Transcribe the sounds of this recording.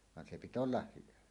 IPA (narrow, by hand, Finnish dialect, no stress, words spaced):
ʋɑn se pit olːɑh hyʋæ